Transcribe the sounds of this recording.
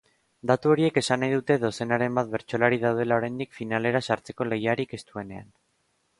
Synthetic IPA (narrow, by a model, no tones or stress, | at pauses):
d̪at̪uo̞ɾie̞ke̞sanajðut̪e̞ðo̞se̞naɾe̞mbat̪̚βe̞ɾt͡ʃo̞laɾið̞awð̞e̞lao̞ɾajnd̪ikfinale̞ɾasaɾt͡se̞ko̞le̞jaɾike̞st̪ue̞ne̞a̰n